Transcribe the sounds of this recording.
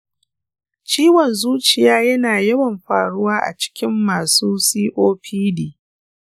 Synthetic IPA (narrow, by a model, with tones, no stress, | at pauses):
t͡ʃiː˦wɔ˨nzuː˦t͡ʃɪ˨jaː˦jɐ˦naː˨jɐ˦wɐ˨mɸa̰ː˨ɽʊ˦waː˦ʔa̰˨t͡ʃɪ̥˦kʲɪ˦mːaː˨suː˦siː˦ʔoː˦ɸʰiː˦diː˨